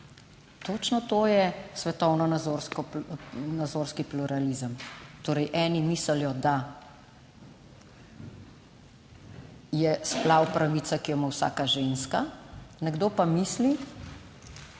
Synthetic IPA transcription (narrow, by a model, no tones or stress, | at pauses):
t̪oːt͡ʃnɔt̪oːjɛsʋɛt̪ɔwnɔnazoɾskɔnad̪zoːɾskipluɾalizəmt̪oːɾəjʔɛːnimiːsəljɔd̪a | jɛsplawpɾaʋit̪sakijɔmawsa̰ːkaʒenskanɛɡd̪oːpamisli